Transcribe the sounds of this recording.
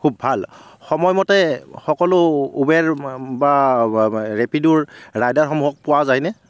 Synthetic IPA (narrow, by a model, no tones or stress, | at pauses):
kʰubːʱalxɔmɔjmɔtɛxɔkɔlʊubɛɹba | ɹepiduɹːajdaɹxɔmuɦɔk̚pʊwazajnɛ